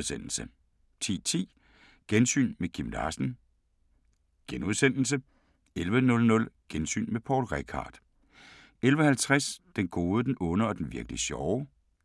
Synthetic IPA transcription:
sen̰l̩sə | t͡sʰḭːt͡sʰḭː | ɡ̥ensy̰ːnmekʰimd̥ɑ̰̈ːsən̩ | ɡ̥enuð̞ˠsen̰l̩sə | elʋənɔ̽lnɔ̽lɡ̥ensy̰ːnmepʰɒːd̥ʁɛkʰɑ̰̈ːd̥ | elʋəhælt͡sʰʁasd̥enɡ̥o̝ːð̞ˠəd̥enʔɔ̽nəɒ̽d̥enʋiɐɡ̥liɕɒʊ

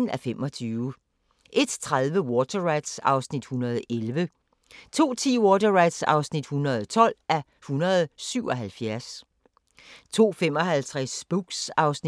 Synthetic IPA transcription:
n̩æfemʔɒ̽t͡sʰyːʊ | ʔe̝d̥t͡sʰʁaðˠʋəwɔt͡sʰɐʁɑɪd̥sɑ̈ʊsnid̥hunɐð̞̩ˠelʋə | t͡sʰo̝̰ːt͡sʰḭːwɔːt͡sɐʁɑ̈ɪd̥sɑ̰̈ʊsnid̥hunɐð̞ˠt͡sʰɒ̽l̰ʔæɐ | hunɐð̞ˠsyʊ̰ɒ̽ɦælfjæɐs | t͡sʰo̝̰ːfem̰ɒ̽hælt͡sʰʁɛsb̥uɡ̥sɑ̈ʊsn

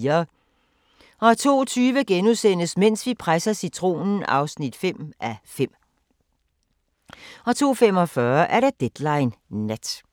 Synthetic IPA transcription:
ɐ | ɒ̽æt͡sʰo̝̰ːt͡sʰyːʋəɡ̥enusen̰əsmen̰sʋipʰʁasɐsit͡sʰʁo̝̰ːnn̩ɑ̈ʊsnid̥fem̰ʔæfem̰ | ɒ̽t͡sʰo̝̰ːfem̰ɒ̽fɶɐʔæɐɾad̥ed̥lɑ̈ɪnːæd̥

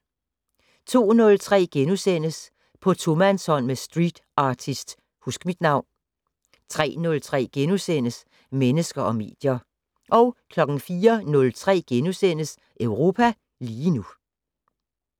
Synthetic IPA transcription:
t͡sʰo̝̰ːnɔ̽lt͡sʰʁɛ̰ːɡ̥enusen̰əs | pʰɒ̽t͡sʰomænshɒ̽n̰mesd̥ʁid̥ʔɑ̈ːt͡sʰisd̥ | husɡ̥əmid̥nɑ̈ʊ̰n | t͡sʰʁɛ̰ːnɔ̽lt͡sʰʁɛ̰ːɡ̥enusen̰əs | menəsɡ̥ɐʔɒ̽me̝̰ːd̥jɐ | ʔɒ̽ʊkʰlɒ̽ɡ̥n̩fiːɐnɔ̽lt͡sʰʁɛ̰ːɡ̥enusen̰əs | ʔøʊʁo̝ːpʰæ | liːnu

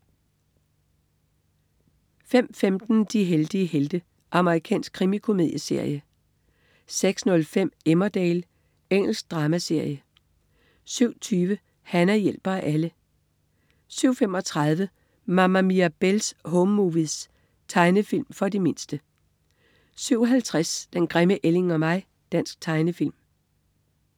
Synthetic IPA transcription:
fem̰femd̥n̩d̥iɦeld̥iəheld̥ə | ʔɑ̈məʁikʰɛ̰ːnsɡ̥̚kʰʁimikʰo̝me̝ðˠjəse̝ɐ̰jə | seɡ̥snɔ̽lfem̰emɐd̥ɛːl | eŋ̰l̩sɡ̥̚d̥ʁɑ̈ːmæse̝ɐ̰jə | syʊ̰t͡sʰyːʋə | hænɐjel̰b̥ɐæʔælə | syʊ̰femɒ̽t͡sʰʁɑð̞ˠʋə | mɑ̈mæmiæb̥elshɔmːuʋiðˠs | t͡sʰɑ̈ɪnəfilmfɒ̽dime̝nsd̥ə | syʊ̰ɦælt͡sʰʁasd̥enɡ̥ʁɛməʔele̝ŋɒ̽mɑ̈ɪ̰ | d̥æn̰sɡ̥̚t͡sʰɑ̈ɪnəfil̰m

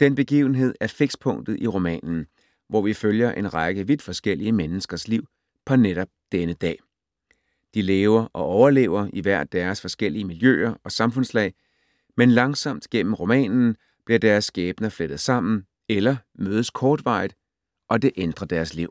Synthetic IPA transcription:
d̥enb̥e̝ɡ̥ḭːʊn̩ɦe̝ð̞̰ˠæɐfe̝ɡ̥spʰɔ̽ŋ̰d̥ð̞̩ˠʔiʁo̝mɛ̰ːnn̩ | ʋɒʋiføljɐʔe̝nʁɑɡ̥əʋid̥fɒ̽sɡ̥el̰iəmenəsɡ̥ɐsliʊ̰ | pʰɒ̽neɾ̥ɒ̽b̥̚d̥enəd̥ɛ̰ː | d̥ileːʊɐʔɒ̽ʔɒʊɐle̝̰ːʊɐiʋæɐ̰d̥ːæɐsfɒ̽sɡ̥el̰iəmiljø̰ːɐɒ̽sɑ̈mfɔ̽nslɛ̰ɪ | menlɑ̈ŋsɒ̽m̰d̥ɡ̥en̰m̩ʁo̝mɛ̰ːnn̩ | b̥liɐd̥æɐsːɡ̥ɛːb̥nɐfled̥ð̩ˠsɑ̈m̰n̩ | elɐmøːð̞ˠəskʰɒːd̥ʋɑ̈ɪð̩ˠ | ʔɒ̽d̥e̝ʔend̥ʁɐd̥æɐsliʊ̰

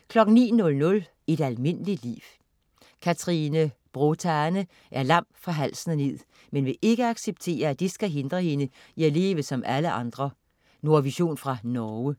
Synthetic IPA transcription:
kʰlɒ̽ɡ̥n̩nḭːnɔ̽lnɔ̽l | e̝d̥ælme̝nəli̥lḭːw | kʰæt͡sʰʁinə | b̥ʁot͡sʰænə | ʔæɐlɑ̈m̰fʁɑ̈ɦæl̰snəne̝ð̰ˠ | menʋe̝ʔe̝ɡ̥əɑ̈ɡ̥seb̥̚t͡sʰe̝̰ːɐæd̥isɡ̥æɦe̝nd̥ʁɐhe̝nə | iæle̝̰ːʋəsɒ̽mʔæləʔɑ̈nd̥ʁɐ | no̝ɐʋiɕo̝̰ːnfʁɑ̈nɒʊə

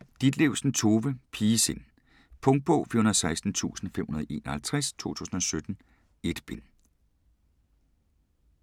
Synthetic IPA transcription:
d̥id̥leʊsn̩t͡sʰo̝ːʋəpʰiːsen | pʰɔ̽ŋd̥̚b̥ɔ̰ːfyɐhunɐsɑ̈ɪsd̥n̩t͡sʰṵːsn̩fem̰hunɐðˠe̝̰ːnɒhælt͡sʰʁɛst͡sʰo̝̰ːt͡sʰṵːsn̩ɒ̽sød̥n̩ | e̝d̥b̥en

